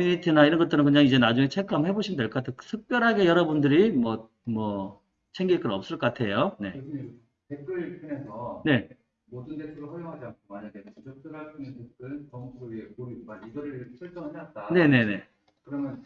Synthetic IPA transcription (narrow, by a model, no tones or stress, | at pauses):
miɲitʰinaiɾʌnŋɡʌt͈ɯɾɯnkɯɲaŋid͡ʑe̞nad͡ʑuŋe̞t͡ɕʰe̞k͈amhe̞boɕʰimnde̞ɭkʌk͈atʰeksʰɯk̚p͈jʌɾɦaɡe̞jʌɾʌbundɯɾimwʌ | mwʌ | t͡ɕʰeŋɡiɭk͈ɯnʌp̚s͈ɯɭk͈ʌk͈atʰe̞jone̞̰ | tek͈ɯɾpʰinesʰʌne̞ | modɯndetʰɯɾoɸʌɾjoŋɦad͡ʑiankʰomaɲaɡeud͡ʑʌk̚t͈ɯɾaɭpʰɯnɯntek͈ɯnkʌŋsoekoɾimaiɡʌɾɯt͡ɕʰɯɭt͡ɕ͈ʌŋɦeat̚t͈ane̞ne̞ne̞ | kɯɾʌmjʌn